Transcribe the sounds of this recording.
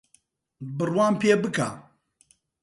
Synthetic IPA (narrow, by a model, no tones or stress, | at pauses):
bɨrwaːnpeːbɨka